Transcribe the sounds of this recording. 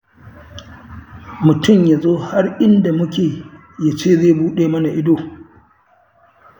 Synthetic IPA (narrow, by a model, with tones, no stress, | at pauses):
mʊ˨tʊ˦˨mja˨zoː˦ha˦rʔɪ˦nda˨mʊ˦kʲeː˨ | ja˦t͡ʃeː˦˨zeː˦˨buː˦ɗeː˨mɐ˦na˨ʔɪ˦doː˨